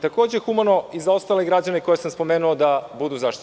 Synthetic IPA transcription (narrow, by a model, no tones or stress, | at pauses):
t̪akoːd͡ʑexumano̞izao̞st̪ale̞ɡɾad͡ʑaneko̞jesamspo̞meːnuod̪abud̪uzaːʃt̪i̥t